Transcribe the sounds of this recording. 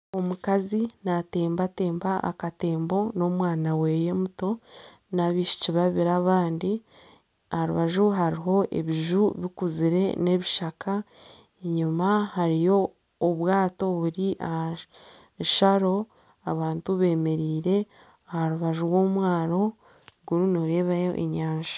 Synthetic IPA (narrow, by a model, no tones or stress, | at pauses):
o̞mukazinate̞ːmbate̞ːmbaʔa̰kate̞ːmbo̞no̞mwaːnawe̞je̞muto̞ | naβiʃi̥ciβaβiɾaːβaːndi | ahaɾuβaʒuɦaɾiɦo̞ʔe̞̰βiʒuβikuziɾe̞̰ne̞βiʃakʰa | ɲumahaɾijo̞ː | βwaːto̞βuɾiʔaha | ʃaɾo̞ | aβaːntuβe̞ːme̞ɾiːɾe̞ | ahaɾuβaʒuwo̞mwaːɾo̞ | ɡuɾunoɾe̞ːβajo̰ʔḛɲaːɲʃḁ